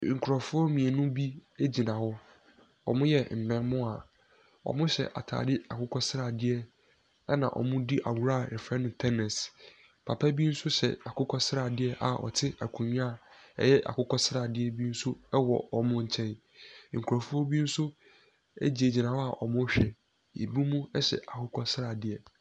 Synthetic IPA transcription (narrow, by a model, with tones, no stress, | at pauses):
ŋ̩˨kʰu˨ɾɔ˨fʊ˦ɔ˦mĩ˨ɛ˨nʊ̃˦bi˦e˦d͡ʑi˨nã˨hɔ˦ | ɔ̰˨mʊ̃˦jɛ˨m̩˨mɛ̃˦nmʊ̃˦a˨ | ɔ̰˨mʊ̃˦ɕɛ̰˨ʔa̰˨tʰa̰ː˨dɪ˦a˨kʰʊ˦kʰɔ˦sɾaː˨dɪ˦ɛ˦ | ɛ˦nã̰˨ʔɔ̰˨mʊ̃˦di˦ʔa̰˨wu˨ɾa˦˨ɾɛ˨fɛ˦nʊ̃˨tʰɛ˦nɛ˨s | pʰa˨pʰa˦bi˦n̩˦sʊ˦ɕɛ̰˨a˨kʰʊ˦kʰɔ˦sɾa˨dɪ˦ɛ˦ʔa̰˨ʔɔ̰˨tʰɪ˦a˨kʰũ˨ɲ˦a˦˨ɛ̰˦jɛ˦ʔa̰˨kʊ˦kʰɔ˦sɾaː˨dɪ˦ɛ˦bi˦n̩˦sʊ˦ɛ˦wɔ̰˨ɔ˨mʊ̃˦ɲ̩˨t͡ɕʰɛ̃˦n | ŋ̩˨kʰu˨ɾa˨fu˦ɔ˦bi˦n̩˦sʊ˦ | ḛ˦d͡ʑi˨e˨d͡ʑi˨nã˨wɔ˦a˨ʔɔ˨mʊ̃˦ɕᶣɛ˨ | jḛ˨bu˦mũ˦ɛ˦ɕɛ̰˨ʔa˨kʰʊ˦kʰɔ˦sɾaː˨dɪ˨ɛ˨